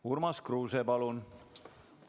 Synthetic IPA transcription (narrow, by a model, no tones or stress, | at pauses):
urmɑskruːsepɑlun